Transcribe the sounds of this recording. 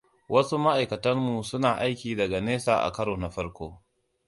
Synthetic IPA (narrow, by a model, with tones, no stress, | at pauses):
wʔɐ˦su˦ma˦ʔa˨jkɐ˨tɐ˦mmu˨sʊ˦naː˨ʔa˦jkʲiː˨dɐ˨ɡa˨neː˦sa̰ː˨ʔa̰˨kɐ˦ɽoː˨na˨ɸɐ˦ɽkʷoː˦